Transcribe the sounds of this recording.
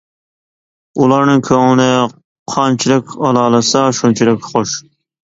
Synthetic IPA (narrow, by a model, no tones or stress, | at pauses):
ulˠɑɾnɨŋkʲʰøŋɪnɪ | qʰɑnt͡ʃʰilˠɨkʲɑlˠɑːlˠɨsɑʃunt͡ʃʰilɪkʲχoʃ